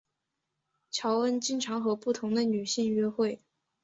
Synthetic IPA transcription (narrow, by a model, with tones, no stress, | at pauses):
t͡ɕʰjɑ˧˥ʊwə˥nt͡ɕi˥ŋʈ͡ʂʰɑ˧˥ŋxɤ˧˥pu˥˩t̪ʰʊ˧˥ŋd̪ə˧ny˨˩ɕi˥˩ŋɥɛ˥xwe˥˩ɪ